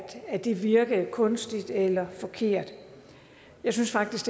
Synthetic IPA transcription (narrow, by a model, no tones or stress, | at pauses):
d̥æd̥e̝ʋiɐɡ̥əð̩ˠkʰɔ̽nsd̥id̥elɐfɒ̽kʰe̝ɐ̰d̥ | jɑ̈ɪsynsfɑ̈ɡ̥d̥isɡ̥